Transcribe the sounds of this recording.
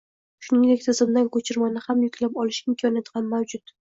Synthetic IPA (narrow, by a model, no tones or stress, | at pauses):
ʃʊnɪŋd̪e̞kʲt̪ʰɪzɪmd̪ankʰot͡ʃʰɪɾmanɪhamjʊkʰʲlapɒlɪʃɪmkʰɒnjat̪hamːawd͡ʒʊt̪